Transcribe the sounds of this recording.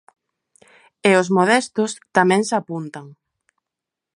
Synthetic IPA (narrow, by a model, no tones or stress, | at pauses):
eʊzmoðɛst̪ʊst̪amɛ̃ŋsapunt̪aŋ